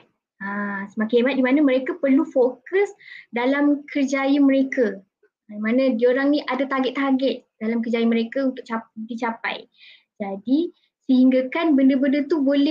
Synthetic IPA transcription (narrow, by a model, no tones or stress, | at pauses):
asəmakimat̪̚dimanaməɾekapərlufokəsdalamkʰərd͡ʒajəməɾeka | imãnãdioɾaŋniʔadat̪aɡɛt̪ːaɡɛt̪̚d̥alamkərd͡ʒajaməɾekaunt̪ʊk̚t͡ʃadit͡ʃapa̰j | d͡ʒadi | səhiŋɡakanbəndəbəndət̪ubolɛ